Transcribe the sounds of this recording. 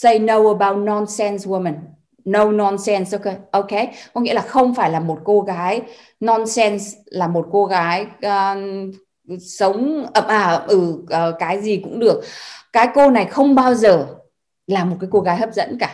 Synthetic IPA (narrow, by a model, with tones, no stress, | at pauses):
sə˧jnə˧wəː˨˩ɓaː˧wt̚nɔ˧nsɛ˧nswo˧mə˨˩nː | ə˧wnɔ˧nsɛ˧nsʔo˧wke˧˦jʔo˧ke˨˦kɔ˨˦ŋḭ˧˥əlaː˨˩xə˧wŋ͡mfaː˧˩jlaː˨˩mo˨˩t̚ko˧ɣaː˨˦j | nɔ˧nsɛ˧nslaː˨˩mo˨˩t̚ko˧ɣaː˨˦j | sə˨˦wŋ͡mʔə˧˩mʔaː˧˩ʔə˧˩mʔɨ˧˩ʔːkaː˨˦jzi˨˩kʊ̰˧˥ŋ͡mɗɨ˨˩ək̚kːaː˨˦jko˧na˨˩jxə˧wŋ͡mɓaː˧wzəː˨˩ | laː˨˩mo˨˩kaː˨˦jko˧ɣaː˨˦jɦəː˦˥p̚zə̰˧˥nkaː˧˩